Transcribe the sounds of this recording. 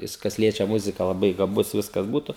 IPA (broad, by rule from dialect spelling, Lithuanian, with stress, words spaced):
ˈjɪs kɐs ˈlʲiɛt͡ʃʲɛ ˈmʊzʲɪkɐ lˠɐˈbɐɪ ɡɐˈbʊs ˈʋʲɪskɐs ˈbuːtʊ